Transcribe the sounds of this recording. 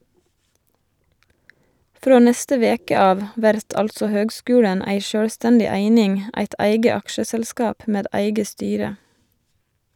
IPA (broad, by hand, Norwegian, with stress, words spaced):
ˈfɾoː ˈnɛstə ˈʋeːkə ˈɑːʋ ˈʋæɾt ˈɑlsɔ ˈhøːɡˌskʉːɽən ˈæɪ ˈʃøːɽˌstɛndɪ ˈæɪnɪŋ ˈæɪt ˈæɪɡə ˈɑkʃəsɛlˌskɑːp ˈmeːd ˈæɪɡə ˈstyːɾə